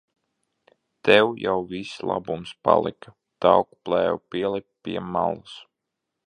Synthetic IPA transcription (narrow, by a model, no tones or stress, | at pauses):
t̪ɛwjawvislˠabumspa̰lˠḭka | t̪awkplˠɛːwupiɛlˠɛp̚pʲiɛmːalˠus